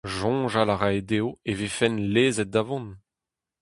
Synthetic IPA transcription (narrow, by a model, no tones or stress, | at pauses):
ʒɔ̃ʒalaʁaed̪eːoevefɛnleːzɛt̪̚d̪avɔ̃n